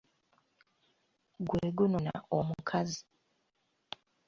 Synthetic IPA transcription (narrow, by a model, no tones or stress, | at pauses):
ɡweːɡunona̰omukʰazi